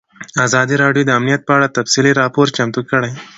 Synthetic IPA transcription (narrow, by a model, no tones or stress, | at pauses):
azɑd̪iɾɑɖjod̪əamnijat̪̚pəaɽat̪afsiliɾɑpoɾt͡ʃamt̪ukəɽaj